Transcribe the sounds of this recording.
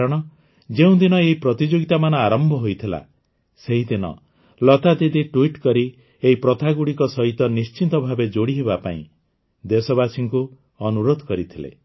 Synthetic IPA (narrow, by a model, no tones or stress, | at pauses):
ɾɔɽ̃ɔ | d͡ʒeũd̪inɔeɦipɾɔt̪id͡ʒoɡit̪amanɔaɾɔmbʱɔɦojt̪ʰila̰ | seɦid̪inɔ̰ | lɔt̪ad̪id̪iʈuiʈkɔɾi | eɦipɾɔt̪ʰaɡuɽikɔsɔɦit̪ɔnist͡ʃint̪ɔbʱabed͡ʒoɽiɦeβapaḭ̃ | d̪esɔβasiŋku | ɔnuɾod̪ʱɔkɔɾit̪ʰilḛ